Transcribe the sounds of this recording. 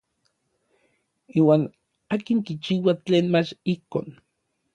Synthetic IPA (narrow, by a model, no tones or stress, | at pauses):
iːwaːn | aːkiŋkit͡ʃiːwat͡ɬeːnmat͡ʃihkoːn